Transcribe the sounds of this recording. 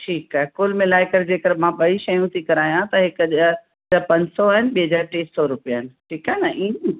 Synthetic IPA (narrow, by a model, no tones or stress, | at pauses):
ʈʰiːkaːɦɛkuːlmɪ̃laːɪkəɾd͡ʑeːkəɾmãɓɐiʃɐjũt̪ʰikɐɾaːijãt̪ɐɦɪkʄ | d͡ʑapɐ̃ɲsɔaːɦɪnɪɓiɦəd͡ʑaːɾʈeːssɔɾʊpijaːɦɪnɪ̆ʈʰiːkaːɦnɐʔĩː